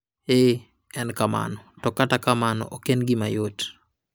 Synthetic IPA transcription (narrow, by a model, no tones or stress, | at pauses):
e | ɛnkama̰nɔtɔkatakamanɔ̰ʔokenɡɪmajot